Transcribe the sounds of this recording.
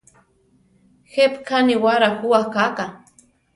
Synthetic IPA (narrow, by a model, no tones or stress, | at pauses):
xepkʰaniwaɾahʊwakaka